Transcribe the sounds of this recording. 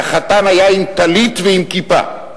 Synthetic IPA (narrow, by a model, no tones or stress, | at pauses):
χat̪anajaimt̪alit̪veimkipa̰